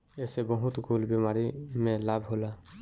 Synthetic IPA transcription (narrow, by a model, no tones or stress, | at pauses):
ɛsɛbɔɦut̪ɡolbemaɾimelabʱɦola